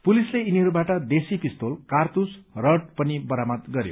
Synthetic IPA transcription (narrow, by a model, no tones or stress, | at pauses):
pulisleiniɦʌɾubaʈʌd̪esipist̪olkart̪usrʌʈ̚pʌnibʌɾamʌt̪ɡʌɾjo̰